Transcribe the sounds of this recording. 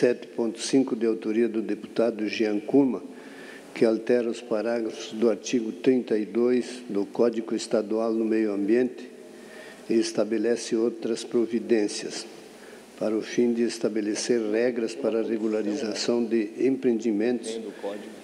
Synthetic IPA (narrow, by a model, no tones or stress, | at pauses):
sɛt̪ɪ̥põnt̪ʊ̥sĩŋkʊd̪ɪawt̪oɾiɐd̪ʊd̪epu̥t̪ad̪ʊʒiɐ̃ŋkumɐ | kɪalt̪ɛɾɐʊspaɾaɡɾɐfʊzd̪ʊaɾt͡ʃ̪iɡʊt̪ɾĩnt̪aid̪ojzd̪ʊkɔd̪iɡʊest̪ad̪ualnʊmejʊɐ̃mbjẽnt̪ɪ̥ | ɪest̪abelɛsɪowt̪ɾɐspɾovid̪ẽnsjɐ̰s | paɾɐʊfĩnd̪ɪest̪abeleseɾrɛɡɾɐspaɾɐreɡulaɾizasɐ̃w̃d̪ɪẽmpɾẽnd̪imẽnt̪ʊs